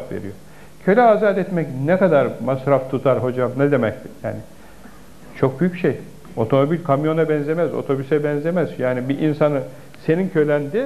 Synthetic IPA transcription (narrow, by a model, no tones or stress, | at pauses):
t̪vḛɾijoɾ | cʰø̞lʲɛazat̪ɛt̪mɛcnɛkad̪aɾmasɾaft̪ʰut̪ʰaɾɦo̞d͡ʒamnɛd̪emɛct̪ja̰ːnɪ | t͡ʃʰo̞k̚byjyc̚bʃej | o̞t̪ʰo̞mo̞bilʲkʰamjo̞nabɛnze̞mɛzo̰t̪ʰo̞bysɛbɛnzemɛzjaːnibiʔinsanɯ | se̞nincʰø̞jlʲænd̪i